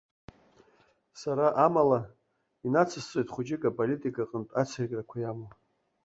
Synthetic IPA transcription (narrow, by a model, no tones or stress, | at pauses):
saɾaʔamala | inat͡sʰɨst͡sʷʼejtʼχʷud͡ʒɪkʼapʼolitʼikʼaqʼəntʼat͡sʰarkʲʼrakʷʰajamo